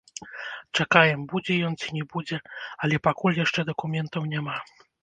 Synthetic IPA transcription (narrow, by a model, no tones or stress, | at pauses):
t͡ʂakajɛmbud͡zʲɛjɔnt͡sʲinʲɛbud͡zʲɛɐlʲɛpakulʲjaʂt͡ʂɛd̪ɐkumʲɛnt̪ɐwnʲama